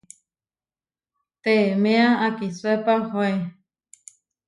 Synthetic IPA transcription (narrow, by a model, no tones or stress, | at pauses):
t̪emẽaakisuepahoe